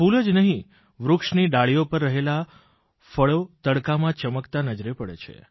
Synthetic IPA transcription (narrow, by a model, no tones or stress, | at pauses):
fuləd͡ʒnəɦĩ | ʋɾʊkʂniɖaɭijopəɾːəɦela | fəɭot̪əɽkamãt͡ʃəməkt̪anəd͡ʒɾepəɽḛt͡ʃʰḛ